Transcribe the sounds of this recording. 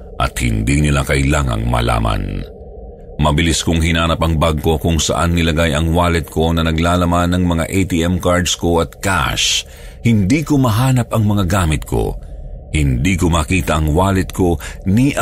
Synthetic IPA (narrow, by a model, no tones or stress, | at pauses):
ʔɐ̰t̪̚hɪ̰nd̪inɪlakɐʔɪlaŋɐ̰ŋmɐ̰la̰ːmɐ̰n | mɐbɪliskʊŋɦɪnaːnɐpɐŋbaɡ̚ko̞kʊŋsɐ̰ʔa̰nːɪlɐɡajɐŋwaːlɛt̪̚kʰo̞nɐnɐɡlaːlɐmanːɐŋmɐŋa̰ʔejt̪iʔɛmkaɹd̪sko̞ɐt̪̚ka̰ʃ | hɪnd̪ikomɐɦaːnɐpɐŋmɐŋaɡaːmɪt̪̚kʰo̞̰hɪnd̪ikomɐkiːt̪ɐʔːŋwaːlɛt̪̚kʰo̞niʔ